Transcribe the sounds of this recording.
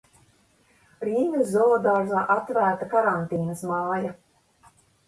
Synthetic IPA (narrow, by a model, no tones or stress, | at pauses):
ɾiːnʲizːɔɔd̪aːɾzaːʔat̪væːɾt̪akaɾant̪iːnɐsmaːja